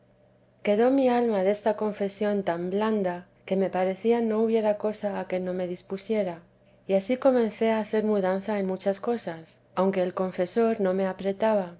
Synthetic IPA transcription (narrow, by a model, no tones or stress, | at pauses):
ke̞ðo̞mialmaðest̪ako̞ɱfe̞sjo̞nt̪ambland̪a | ke̞me̞paɾe̞θiano̞uβje̞ɾako̞saːke̞no̞me̞ðispusje̞ɾa | iasiko̞mẽnθe̞aːθe̞ɾmuðanθae̞nmut͡ʃasko̞sas | awŋke̞ːlko̞ɱfe̞so̞ɾno̞me̞apɾe̞t̪aβ̞a